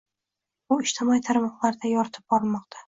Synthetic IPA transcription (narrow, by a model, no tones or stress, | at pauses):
ʊɪʃt̪ʰɪmɒit̪ʰaɾmɒqlˠaɾd̪ajɒɾt̪ʰɪ̥p̚b̥ɒɾmɒq̚t̪ʰḁ